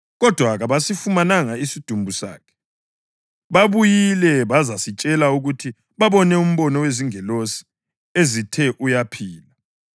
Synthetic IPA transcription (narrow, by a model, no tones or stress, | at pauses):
ɣɔd̥ʱwaɣaβasifumanaŋaisid̥ʱumbʱusa̰ːkʰɛ̥ | βaβujilɛβazasit͡ʃʼɛlauɣutʰi | βaβɔnɛum̩βɔnɔweziŋɛlosi̥ | ezitʰɛʔujapʰiːla